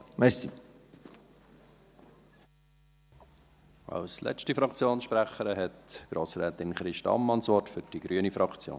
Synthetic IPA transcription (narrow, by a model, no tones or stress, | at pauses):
mɛɾsi | ʔɑ̰wslʔɛ̰t͡ʃtifɾɑkt͡sjoːnsʃpɾæχəɾəɦɛtɡ̥ɾoːsɾɛːt̪ɪnχɾɪʃtɑ̰mːɑnsʋɔrtfʏɾd̥iɡ̥ɾyːənifɾɑkt͡sjo̰ːn